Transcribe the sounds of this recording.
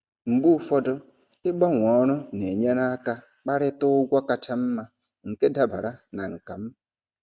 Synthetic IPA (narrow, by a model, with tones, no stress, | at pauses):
m̩˨ɡ͡bu˦fɔ˦dɔ˦ | ɪ˦ɡ͡bɔ˦ŋʷɔ˨˦ɾʊ˦ne˨ɲe˦ɾa˦ka˦ | k͡pa˦ɾɪ˦tʊ˦ɡʷɔ˦ka˨t͡ʃa˦m̩˦ma˦ | ŋ̩˨ke˦da˦ba̰˨ɾa˦na̰˨ŋ̩˨ka˨m̩˦